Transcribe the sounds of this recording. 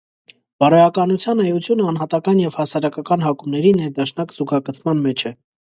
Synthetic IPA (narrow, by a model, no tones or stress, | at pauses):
b̥ɑɾɔjɑkɑnut͡sʰjɑnɑjut͡sʰjunəɑn̪ɦɑt̪ɑkɑnjɛv̥hɑsɑɾɑkɑkɑnɦɑkumnɛɾinɛɾd̪ɑʃnɑkz̥uɡɑkət͡sʰmɑnmɛt͡ʃʰɛ